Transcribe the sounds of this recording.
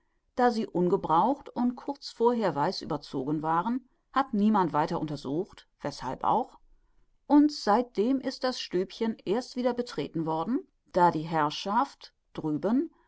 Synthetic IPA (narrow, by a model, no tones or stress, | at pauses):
d̥aːziːʔʊnɡəbʁaʊxtʊntkʰʊɐt͡sfoːɐɦeːɐvaɪsʔy̰ːbɐt͡soːɡənvaːʁən | hatniːmantv̥aɪtɐʔʊntɐzuːxt | v̥ɛsha̰lpʔa̰ʊx | ʔʊntz̥aɪt̚d̥eːmʔɪst̚d̥asʃtøːpçənʔeːɐstv̥iːdɐbətʁ̥ḛːtn̩vɔɐdn̩ | d̥aːdiːɦɛɐʃaft | d̥ʁyːbən